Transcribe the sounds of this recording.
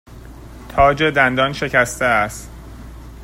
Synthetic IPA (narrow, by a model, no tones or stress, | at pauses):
t̪ʰɒːd͡ʒe̞d̪ænd̪ɒːnʃe̞cʰæst̪eæst̪